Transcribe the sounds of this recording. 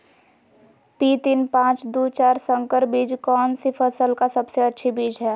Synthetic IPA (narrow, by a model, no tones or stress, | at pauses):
pit̪inpãːt͡ʃd̪ut͡ʃaːɾsə̃ŋkəɾbid͡ʒkɔːnsipʰəsəlkasəbseətːʃʰibid͡ʒɦɛ